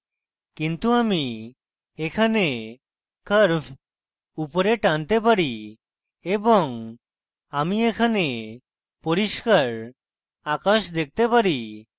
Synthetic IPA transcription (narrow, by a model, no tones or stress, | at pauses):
kint̪uami | ekʰane | kəɾbʰ | upɔɾeʈant̪epaɾi | ebɔŋ | amiekʰane | poɾiʃkaɾ | akaʃd̪ek̚t̪epaɾi